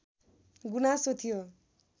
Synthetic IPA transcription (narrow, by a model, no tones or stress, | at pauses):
ɡunasot̪ʰijo